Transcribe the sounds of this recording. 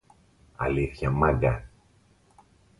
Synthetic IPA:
ɐ̰liθçɐmɐɡɐ

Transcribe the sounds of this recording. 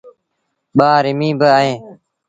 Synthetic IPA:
ɓaːɾɪmĩːbəaːɦẽː

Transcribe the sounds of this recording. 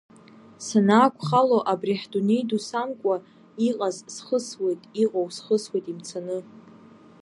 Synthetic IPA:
sanaːkʷʰʼχaloʔabriħdunejdusamkʷʼa | iqʼazsχəswe̞jtʼiqʼowsχəswejtʼimt͡sʰanɨ

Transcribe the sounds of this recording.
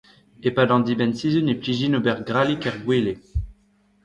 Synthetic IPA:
epad̪ɑ̃d̪ibɛnsizynepliʒinobɛʁɡʁalikɛʁɡwele

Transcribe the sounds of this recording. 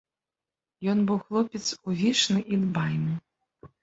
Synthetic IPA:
jɔnbɨwxlˠɔpʲɛt̪suvʲiʂnɨʔid̪bajnɨ

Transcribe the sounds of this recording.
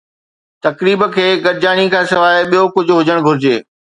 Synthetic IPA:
t̪ɐkɾiːbə̆kʰeːɡɐɾɪd͡ʑaːɽ̃ikʰãːsɪʋaːɪɓijokʊd͡ʑʱʊɦʊd͡ʑəɽ̃bʱʊɾɪd͡ʑeː

